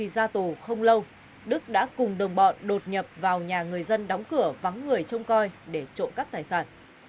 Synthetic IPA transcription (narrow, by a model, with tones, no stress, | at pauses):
i˨˩zaː˧t̪u˨˩xə˧wŋ͡mlə˧w | ɗɨ˦˥k̚ɗa̰ː˧˥kʊ˨˩ŋ͡mɗə˨˩wŋ͡mɓɔ̰˧˨nɗo˨˩t̚ɲə˨˩p̚vaː˨˩wɲaː˨˩ŋɨ˨˩əjzə˧nɗa˨˦wŋ͡mkɨ˧˩əva˨˦ŋːɨ˨˩əjt͡ɕə˧wŋ͡mkɔ˧jɗe˧˩t͡ɕo̰˧˨nkaː˦˥k̚t̪aː˨˩jsaː˧˩n